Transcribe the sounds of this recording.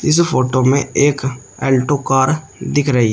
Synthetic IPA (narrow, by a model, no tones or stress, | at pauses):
ɪs̬foːʈomẽeːk | ɛːlʈokaːɾ | d̪ɪkʰɾɐɦi